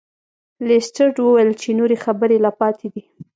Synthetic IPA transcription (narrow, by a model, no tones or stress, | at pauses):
lesʈəɾɖwəwajəlt͡ʃenoɾexabəɾelapɑt̪ʰed̪i